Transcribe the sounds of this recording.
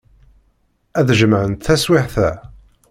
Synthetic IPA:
æðʒəmʕənt̪θæswɪħθæ

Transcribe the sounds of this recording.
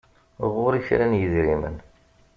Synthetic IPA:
ʁʊɾiçɾænjəðɾimə̰n

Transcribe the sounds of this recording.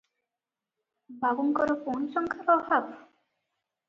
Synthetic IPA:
bʱaɡuŋkɔɾoponʃɔŋkʰaɾɔɦab

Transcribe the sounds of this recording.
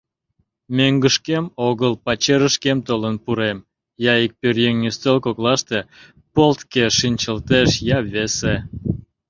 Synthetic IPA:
mʲøŋɡəʃkemoɣəlpɑt͡ɕeɾəʃkemt̪olənpuɾem | jɑik̚pørjeŋnʲist͡s̪elkoklɑʃt̪e | polt̪keʃinʲt͡ɕəlt̪eʃjɑβese

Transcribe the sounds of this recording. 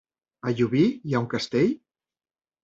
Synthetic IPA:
əʎuβijauŋkəst̪eʎ

